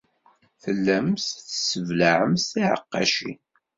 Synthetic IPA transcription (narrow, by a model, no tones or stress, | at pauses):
θəlːæmsθsəvlaʕəmsθiʕə̰qːɑ̰ʃḭ